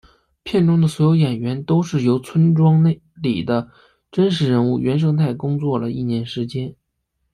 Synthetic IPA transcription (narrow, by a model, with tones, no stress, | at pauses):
pʰjɛ˥˧nʈ͡ʂʊ˥ŋd̪ə˨swɔ˧˥jo˧˥ʊjɛ˨˩nɥɛ˧˥nt̪o˥ʊʂɻ̩˥˩jo˧˥ʊt͡sʰwə˥nʈ͡ʂwɑ˥ŋ˥˩ | li˨˩d̪ə˦ | ʈ͡ʂə˥nʂɻ̩˧˥ɻə˧˥nu˥˩ɥɛ˧˥nʂ̬ɤ˥ŋt̪ʰa˥˩ɪkʊ˥ŋt͡swɔ˥˩lə˩i˥˩njɛ˧˥nʂɻ̩˧˥t͡ɕjɛ˥n